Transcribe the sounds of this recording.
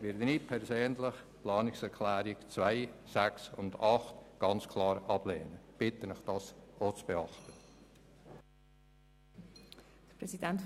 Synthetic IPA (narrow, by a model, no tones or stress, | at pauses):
ʋɪɾd̪ənipʰɛɾzøːnlɪχplɑːnɪksɛɾkʰlæːɾɪkt͡svaɪsæksʊ̰ndɑχtɡ̥ɑnt͡skʰlɑːɾɑb̥leːnəb̥ɪtənɪχd̥ɑːsot͡sb̥ɛɑχt̪ə | d̥əpɾɛsidɛnt